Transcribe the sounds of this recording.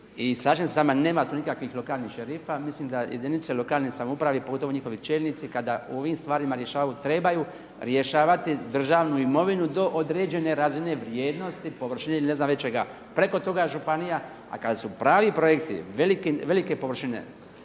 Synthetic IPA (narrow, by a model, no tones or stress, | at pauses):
islˠaːʒemsesaːmane̞ːmat̪uːnikakʋixlˠo̞kaːlnixʃeɾiːfamisliːmd̪ajḛd̪init̪selo̞kaːlnisamoupɾaʋipoɡo̞t̪ooɲixo̞ʋit͡ʃeʎnit̪sikad̪aṵo̞ʋimst̪ʋaːɾimaɾje̞ʃaːʋajut̪ɾe̞baju | ɾje̞ʃaːʋat̪id̪r̩ʒaːʋnuimo̞ʋinud̪o̞ʔod̪ɾe̞d͡ʒe̞ne̞ɾazine̞ʋɾje̞ːd̪no̞st̪ipo̞ʋr̩ʃineiline̞znamʋet͡ɕeɡa̰ | pɾe̞ko̞t̪o̞ɡaeʒupanija | a̰kad̪asupɾaːʋipɾo̞jekt̪ḭʋelikiʋe̞like̞poʋr̩ʃinḛ